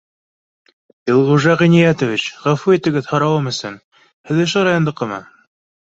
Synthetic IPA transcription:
ilˠʁuʒɑʁinijæt̪ŏvit͡ɕʁæfuet̪ɘ̆ɡɘðhɑ̆ɾɑwɤmɘ̆sɘn | hɘ̆ðɵ̆ʃoɾɑjond̪ɤ̆qːɤmɑ

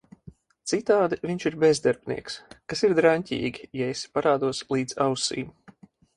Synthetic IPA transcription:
t̪sit̪aːd̪iviɲʲt͡ʃiɾbɛzd̪aɾbnḭɛkskasiɾd̪ɾaɲʲcʲḭːɡʲijɛespaɾaːd̪uɔslˠiːd̪zawsḭːm

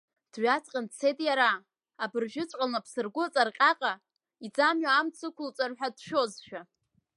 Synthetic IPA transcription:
d̥ɥᶣat͡sʼqʲʼandt͡sʰejtʼjaɾa | abɨrʒᶣɪt͡sʷʼqʼalnapʰsɨrɡʷʊt͡sʼarqʲʼaqʼa | id͡zamɥaːmt͡sʰɨkʷʊlt͡sʷʼarħʷᶣadʃᶣozʃᶣa

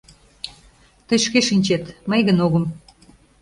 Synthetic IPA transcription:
t̪əjʃkeʃinʲt͡ɕet̪məjɣənoɣə̆m

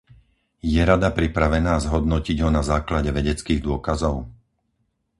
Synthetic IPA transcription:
jɛɾad̪apɾipɾaʋɛnaːzɦɔd̪nɔciɟɦɔnazaːklaɟɛʋɛɟɛt͡skiːɣd̪ʊɔkazɔʊ

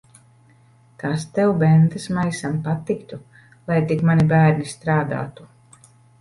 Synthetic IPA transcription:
t̪ast̪ɛwbɛnt̪ɨsmajsampat̪ːikt̪u | lˠajt̪ikmanibæːɾnist̪ɾaːd̪a̰ːt̪u̥

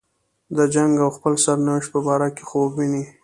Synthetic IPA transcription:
d̪əd͡ʒaŋɡawxpəlsaɾnawɪʃt̪̚pəbɑɾake̥xobwini

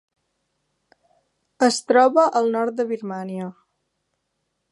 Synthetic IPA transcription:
əst̪ɾɔβəʔəlˠnɔɾt̪̚d̪əβiɾmaniə

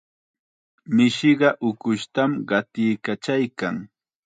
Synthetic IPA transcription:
mɪʃɪɢɑʔʊkʊʃt̪amɢɑt̪ɪjkat͡ʃajkaŋ

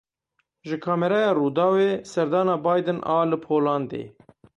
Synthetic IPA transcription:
ʒɪkʰɑːmɛɾɛjɑːruːd̪ɑːweːsɛɾd̪ɑːnɑːbɑːjd̪ɨnʔɑ̰ːlɨpʰoːlɑːnd̪ḛː

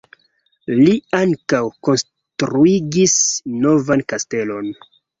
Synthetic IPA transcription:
liaŋkawko̞ns | tɾuiɡisno̞vankaste̞lo̞n

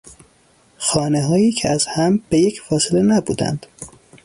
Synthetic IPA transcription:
xɒːneɦɒːjiːcʰeæzhæmb̥e̞jecʰfɒːselenæbuːd̪æ̰nd̪̥

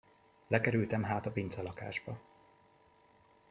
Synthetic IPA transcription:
lɛkɛɾylt̪ɛmɦaːt̪ɒpint̪sɛlɒka̰ːʒbɒ

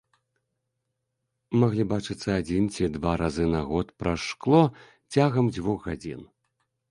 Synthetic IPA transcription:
maɣlʲibat͡ʂɨt̪sːɐad͡zʲint͡sʲid̪vaɾazɨnaɣɔt̪pɾaʂklˠɔ | t͡sʲaɣɐmd͡zʲvuɣɣad͡zʲḭn

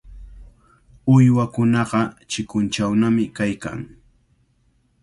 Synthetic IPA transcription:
ʊjwakʊnɑɢɑt͡ʃɪkʊnt͡ʃawnamɪkajka̰ŋ

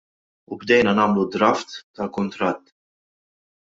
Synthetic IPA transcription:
ubd̪ɛjnɐnɐːmlud̪ɾɐft̪ːɐlkʊnt̪ɾɐt̪ː

